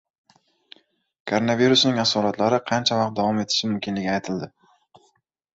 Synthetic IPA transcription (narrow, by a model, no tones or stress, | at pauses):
kʰoɾonaviɾʊsnɪŋasɒɾat̪ʰlaɾɪqʰɑnt͡ʃʰavɑq̚t̪̚d̪avɒme̞t̪ʰɪ̥ʃɪmʊmkʲʰɪnlɪɡʲajt̪ʰɪld̪ɪ